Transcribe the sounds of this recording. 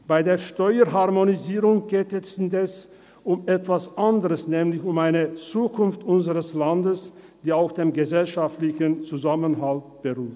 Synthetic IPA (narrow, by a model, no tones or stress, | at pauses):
b̥aɪdeːɐʃtɔʏəɦaʁmoniziːʁʊŋɡ̥eːtɛsn̩dɛs | ʔʊmɛtv̥asʔandəʁəsnɛːmlɪçʊmaɪnət͡suːkʰʊnftʔʊnzəʁəslandəs | d̥iːaʊxd̥eːmɡəzɛlʃaftlɪçnt͡suzamənɦalt̚b̥əʁuːt